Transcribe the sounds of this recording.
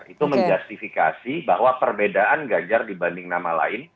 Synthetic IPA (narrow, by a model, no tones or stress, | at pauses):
it̪uməɲd͡ʒast̪ifika̰sibahwapərbedaʔanɡad͡ʒardibandɪŋnamala̰ɪn